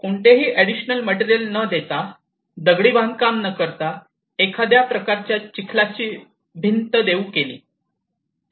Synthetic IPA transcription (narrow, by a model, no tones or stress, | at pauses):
koɳʈ̪eɦiːʔæɽiɕnəlmɛʈiɾjəlnəd̪et̪a | d̪əɡɽiːbʱãŋɡkamnəkəɾt̪a | ekʰad̪japɾəkaɾt͡ɕjat͡ɕikʰlat͡ɕiː | bʱint̪əd̪eukelḭː